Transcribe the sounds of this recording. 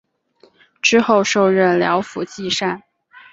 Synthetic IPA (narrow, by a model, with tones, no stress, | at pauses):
ʈ͡ʂɻ̩˥xo˥˧ʊʂo˥˧ʊɻə˥˩nljɑ˧˥ʊfṵ˨˩t͡ɕi˥˧ʂa˥˩n